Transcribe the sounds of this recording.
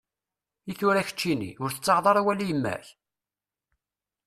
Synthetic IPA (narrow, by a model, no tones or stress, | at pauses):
iθʊɾæçə̥t͡ʃːinḭʊɾθə̥t͡sːɑʁðˤɑɾˤæwælːijəmːæ̰ç